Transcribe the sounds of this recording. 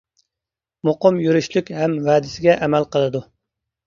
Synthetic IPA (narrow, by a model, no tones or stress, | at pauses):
moqəmjyɾyʃlykʲhɛmwɛːd̪ɪsɪɡʲɛʔɛmɛlqəlˠɨd̪u